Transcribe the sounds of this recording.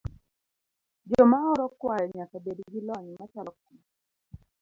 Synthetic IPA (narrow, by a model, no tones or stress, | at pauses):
d͡ʒɔmaɔɾɔkwajɔɲakabedɡilɔɲmat͡ʃalɔk̚u